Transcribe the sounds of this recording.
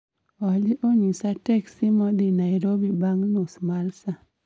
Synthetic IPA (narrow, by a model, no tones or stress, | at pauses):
ɔlɪʔoɲisatɛksimɔdinaiɾobibaŋnʊsmalsa